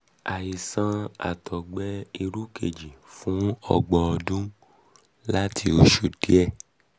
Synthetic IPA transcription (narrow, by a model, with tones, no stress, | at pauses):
a˨ji˨sã˧a̰˨tʰɔ˨ɡ͡bɛ˦i˧ɾu˦ke˨d͡ʒi˨fũ˦ɔ̰˧ɡ͡bɔ̃˧ɔ˧dũ˦ | la˦tʰi˧o˧ʃo˨d̥i˨˦ɛ˦˨